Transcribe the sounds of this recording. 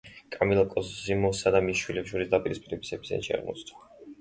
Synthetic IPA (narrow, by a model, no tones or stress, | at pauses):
kʼamilˠakʼɔszimɔsad̪amiʃwilɛpʃuɾisd̪apʼiɾispʼiɾɛbi̥sɛpʰi̥zɛ̰nʃia̰ɾmɔ̰t̪sʰt̪ʰʼɔ̥